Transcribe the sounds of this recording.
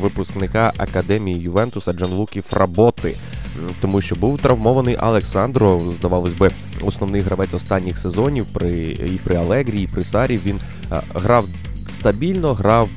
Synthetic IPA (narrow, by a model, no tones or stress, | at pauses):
ʋɪpʊsknɪkɑʔɐ̰kɐd̪ɛmʲijijʊʋɛnt̪ʊsɐd͡ʒɐnʋˠukʲifrɐbɔt̪ɪ | t̪ɔmuʃt͡ʃɔbuwt̪ɾɐwmɔʋɐnɪjʔɐ̰lˠeksɑnd̪ɾɔzd̪ɐʋɑlˠɔsʲbɪ | ɔsnɔwnɪɦɾɐʋɛt͡sʲɔst̪ɑnʲːixsezɔnʲiwpɾɪipɾɪɐlˠɛɦɾʲijiːpɾɪsɑɾʲiwʋʲin | ɦɾɑw | st̪ɐbʲilʲnɔɦɾɑw